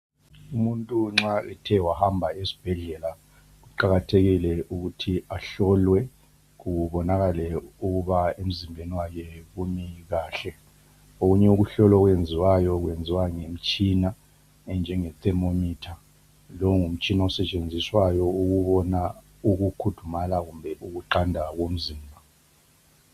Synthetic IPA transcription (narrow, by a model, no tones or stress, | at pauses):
umuntʼuŋ͡ǁaɛtʰɛwahambʱaesi̥b̥ʱɛɮɛla | ɣuǃaɣatʰeɣilɛʔuɣutʰiaɬɔlwɛ | ɣuβɔnaɣalɛuɣuβaem̩zimbʱeniwakɛɣumiɣaːɬɛ | oɣuɲɛuɣuɬɔlɔɣwend͡zʱiwajɔɣwjend͡zʱiwaŋem̩t͡ʃʼina | ɛnd͡ʒʱɛŋɛt̪ʼɛmomiːtʰa | lɔŋum̩t͡ʃʼinaɔsɛt͡ʃʼend͡zʱiswajɔuɣuβɔna | uɣukʰud̥ʱumalaɣumbʱɛʔuɣuǃandʱaɣom̩ziːmbʱa